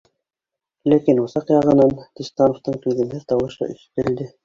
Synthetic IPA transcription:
lækinusɑqjɑʁɤ̆nɑnt̪ist̪ɑnoft̪ɤɴt̪ʉðɘ̆nɘɾt̪ɑwɤ̆ʃɤ̰ʔḭʃp̪ɘld̪ɘ

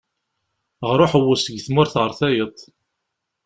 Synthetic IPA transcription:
ʁɾˤoħəwːʊsəɡθmʊɾθʁəɾˤθæjət̪ˤ

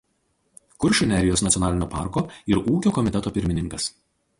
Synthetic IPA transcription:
kʊɾʲʃʲʊnʲæɾʲɪjoːsnɐt̪sʲɔnɑːlʲɪnʲoːpɑ̰ˑɾkoːɪɾuːkʲoːkɔmʲɪt̪ʲɛt̪oːpʲɪɾʲmʲɪnʲɪŋkɐs

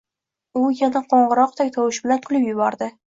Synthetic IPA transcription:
ʊjanaqʰoɴʁɨɾɒq̚t̪ʰak̚ʲt̪ʰɒwɪʃbɪlankʰʊlɪpjʊbɒɾd̪ɪ

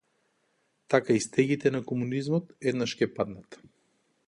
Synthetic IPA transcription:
t̪akaist̪ɛɡit̪ɛnakɔmunizmɔt̪ɛd̪naʃcɛpad̪nat̪

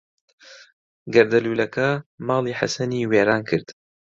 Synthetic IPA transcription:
ɡɐɾd̪ɐluːlɐkʰɐmɑːliːħa̰sɐniːweːɾaːnkʰɨɾd̪̥

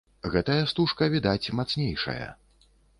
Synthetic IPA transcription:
ɣɛt̪ɐjɐst̪uʂkɐvʲid̪at͡sʲmat̪snʲejʂɐ̰jɐ̰

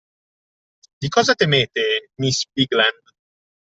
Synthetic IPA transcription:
d̪ikɔːzat̪emeːt̪emisbiɡland̪

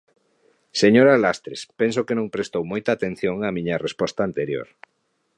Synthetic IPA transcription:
seɲoɾalast̪ɾespens̬okenõŋpɾest̪owmojt̪aːt̪ẽn̟θjoŋamĩɲɐrespɔst̪aːnt̪eɾjo̰ɾ

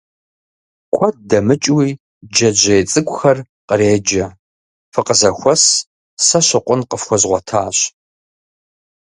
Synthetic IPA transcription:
kʷʰɔd̚dɐmɨt͡ʃʼwiː | d͡ʒɐd͡ʒɐjt͡sʼɨkʷʼxɐr | qəreːd͡ʒɐ | fɨqəzɐxʷɔs | sɐɕɐqʷʼʊnqəfxʷɔzʁʷɔtʰaːɕ

